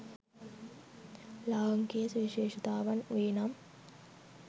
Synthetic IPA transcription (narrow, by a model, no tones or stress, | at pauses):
laːʋɐŋkeːsʋiʃeːʃɐt̪aːʋɐnʋeːnaːm